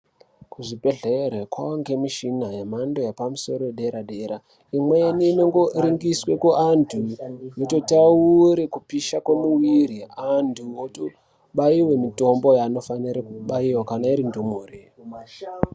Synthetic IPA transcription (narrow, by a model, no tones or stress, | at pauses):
kuʐipe̞ɮeɾekwaoŋɡe̞miʃinajemandojapamuso̞ɾoeɗe̞ɾaɗeɾa | imwe̞jenineŋɡoɾiŋɡiswe̞kuantʰujoto̞tauɾekupiʃakwemuwiɾiantʰuwoto | ɓaiwe̞mito̞mbo̞jano̞faniɾekuɓaiwakanaiɾindumuːri